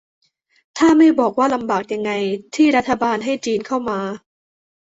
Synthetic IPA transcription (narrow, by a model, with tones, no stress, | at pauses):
t̪ʰaː˥˩ma˥˩jbɔː˨˩k̚waː˥˩la˧mbaː˨˩k̚ja˧ŋːa˧jt̪ʰiː˥˩ɾa˦˥t̪ʰːa˧baː˧nɦa˥˩jt͡ɕiː˧nkʰa˥˩wmaː˧